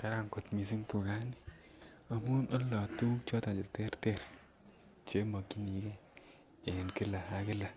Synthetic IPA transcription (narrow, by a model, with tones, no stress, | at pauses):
ka˦ɾa˨ŋko˨t̪mi˨s̬i˦ŋtu˨ɡa˦ni˦˨ | a˨mu˦nɔ˦lːɔ˨tu˦t͡ʃɔ˦ta˨d͡ʒi˨te˦ɾte˦˨ɾ | t͡ʃe˦mɔ˨kːi˦ni˨kɛ˦ | e˨nkɪ˦la˨a˨kɪ˦la˨